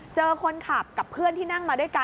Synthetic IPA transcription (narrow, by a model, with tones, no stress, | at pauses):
t͡ɕɤː˧kʰo˧nkʰaː˨˩p̚ka˨˩pʰːɯ˥˩ənt̪ʰiː˥˩na˥˩ŋmaː˧du˥˩˨jka˧